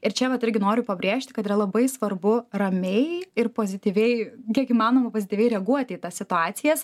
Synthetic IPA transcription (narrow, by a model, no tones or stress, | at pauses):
ɪɾt͡ʃʲɛʋɐt̪ɪɾʲɡʲɪnoːɾʲʊpɐbʲɾʲeːʃʲt̪ʲɪ̥kɐt̪iɾɐlˠɐbɐɪsʋɐrbʊrɐmʲɛɪɪrpoːzʲɪt̪ʲiːʋʲɛɪkʲiɛkiːmɑːnoːmɐpoːzʲɪt̪ʲiʋʲɛɪɾʲɛɐɡuɔt̪ʲɪːt̪ɐsʲsʲɪt̪ʊɑːt̪sʲɪjɛs